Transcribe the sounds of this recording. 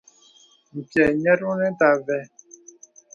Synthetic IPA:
m̩˨pjɛ˨ɲɛ˦tu˦nɛ˦ta˨vɛ˦

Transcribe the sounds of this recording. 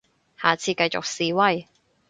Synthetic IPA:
haː˨˩t͡sʰiː˧kɐ˧jt͡sʊ̰˨k̚siː˨wɐ˧j

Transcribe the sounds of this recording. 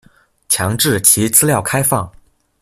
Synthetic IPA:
t͡ɕʰjɑ˧˥ŋʈ͡ʂɻ̩˥˩t͡ɕʰi˧˥t͡sɹ̩˥ljɑ˥˩ʊkʰa˥ɪfɑ˥˩ŋ

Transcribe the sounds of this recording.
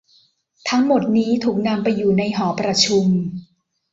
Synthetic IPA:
t̪ʰa˦˥ŋmo˨˩t̪̚niː˦˥t̪ʰuː˨˩k̚na˧mpa˧jːuː˨˩na˧jɦɔː˩˦pɾa˧t͡ɕʰu˧m

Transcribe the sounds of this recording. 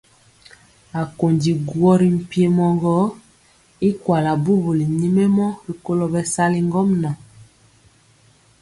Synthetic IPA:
a˨ko˨ndi˨ɡwɔ˦ɾi˨m̩˨pi˦e˦mɔ˨ŋɡɔ˦ | i˦kwa˨la˨bu˦bo˨li˨ni˦me˦mɔ˦bi˨ko˦lo˨bɛ˨sa˦li˦ŋɡɔ˦mna˨

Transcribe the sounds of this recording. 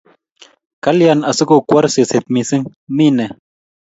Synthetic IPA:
ka˦lja˨na˨sə˦ko˨kwa˦ɾse˨se˨t̪̚mi˨si˦ŋ | mi˦nɛ˨

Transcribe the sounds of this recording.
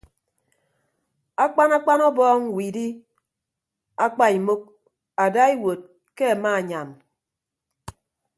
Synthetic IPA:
a˦k͡pa˦na˦k͡pa˦nɔ˦bɔː˦ŋ˦wiː˨di˦ | a˦k͡pa˦i˨mo˦k̚ | a˨da˦i˦wo˨t̚ | ke˦a˨ma˦˨ɲa˨n

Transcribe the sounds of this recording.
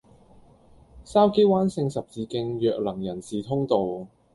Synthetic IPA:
saː˥wke˥jwaː˥nsɪ˧ŋsɐ˨p̚t͡siː˨˧kɪ˧ŋjœː˨k̚lɐ˨˩ŋjɐ˨˩nsiː˨t̪ʰʊ˥ŋt̪o˨w

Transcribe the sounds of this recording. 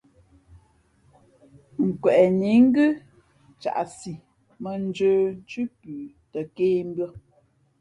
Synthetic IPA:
ŋ̩˨kwɛ˨ʔni˨˦ŋ̩˦ɡʉ˦ | t͡ʃa̰˨ʔsi˨ | mə˨n̩˦d͡ʒəː˦n˦t͡ʃʉ˦pʉː˨ | tə˨keː˦m˦bɥɔ˦

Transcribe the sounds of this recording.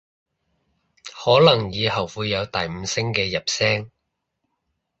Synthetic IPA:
hɔː˨˥lɐ˨˩ŋjiː˨˧hɐ˨˩wwuː˨˧jːɐ˨˧wt̪ɐ˨jm̩ː˨˧sɪ˥ŋkɛː˧jɐ˨p̚sɛː˥ŋ

